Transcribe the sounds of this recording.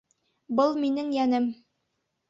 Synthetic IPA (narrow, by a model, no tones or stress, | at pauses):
bɤlˠminɘŋjænɘm